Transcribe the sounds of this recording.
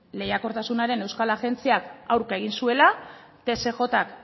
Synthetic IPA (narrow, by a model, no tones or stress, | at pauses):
le̞jako̞ɾt̪asunaɾe̞ne̞wskalaɣe̞nt͡siakawɾkae̞ɣ̞insue̞la | t̪e̞se̞xo̞t̪ak